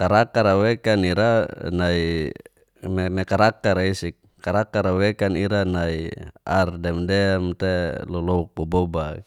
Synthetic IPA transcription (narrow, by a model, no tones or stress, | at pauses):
kaɾakaɾawɛkaniɾanai | mmɛkaɾakaɾaisik̚ | kaɾakaɾawɛkaniɾanaia̰rdɛmdɛmt̪ɛlɔlɔuk̚bɔbɔba